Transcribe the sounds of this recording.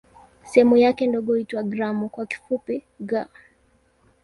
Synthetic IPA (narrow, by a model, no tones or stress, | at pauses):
sɛɛmujakɛndɔɠɔhitwaɡɾamukwaki̥fupi | ɡa